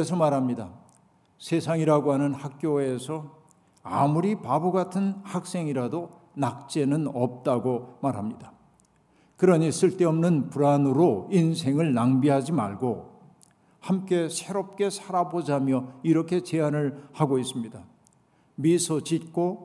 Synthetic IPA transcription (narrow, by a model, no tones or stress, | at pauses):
es̬ʰʌmaɾɦamɲida | sʰe̞sʰaŋiɾaɡoɦanɯnhak̚k͈joesʰʌ | a̰muɾipaboɡatʰɯnhak̚s͈e̞ŋiɾado | nak̚t͡ɕ͈e̞nɯnʌp̚t͈aɡomaɾɦamɲida | kɯɾʌɲis͈ɯɭt͈e̞ʌmnɯnpuɾanɯɾoins̬ʰe̞ŋɯɭnaŋbiɦad͡ʑima̰ɭɡo | hamk͈e̞sʰe̞ɾʌp̚k͈e̞sʰaɾabod͡ʑamjʌiɾʌkʰe̞t͡ɕe̞anɯɭhaɡois͈ɯmɲida | misʰʌt͡ɕit̚k͈o